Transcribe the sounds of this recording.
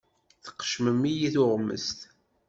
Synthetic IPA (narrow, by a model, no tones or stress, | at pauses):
θə̥qːə̥ʃməmːijiθʊʁmə̰st̪